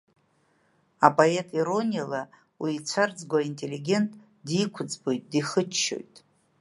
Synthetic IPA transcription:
apʼoe̞tʼiɾo̞nijala | wiːt͡sʷʰard͡zɡʷaintʼe̞liɡʲe̞ntʼ | dikʷʰʊd͡zbo̞jtʼdiχət͡ʃːo̞̰jtʼ

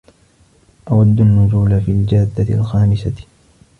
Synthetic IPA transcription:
ʔawad̪ːanːʊzuːlafiːld͡ʒaːd̪ːalxaːmɪsa

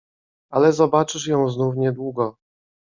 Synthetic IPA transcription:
alɛzɔbat͡ʂɘʂ̬jɔ̃w̃znufɲɛd̪wuɡɔ

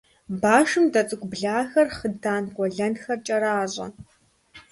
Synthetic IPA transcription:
baːʂɨmdɐt͡sʼɨkʷʼbɮaːxɐrχədaːnɡʷʼɔɮɐnxɐrt͡ʃʼɐɾaːʑʼɐ̰

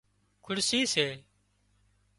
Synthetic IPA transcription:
kʰʊɽsiːseː

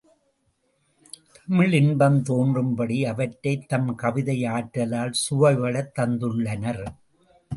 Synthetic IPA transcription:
t̪ɐmɪɭɪnbɐmt̪oːndrɯmbɐɽiɐʋɐʈːɐɪt̪ːɐmkɐʋɪðɐjaːʈɾɐlaːlsʊʋɐʋɐɭɐt̪ːɐnd̪ɯɭːɐnɐɾ

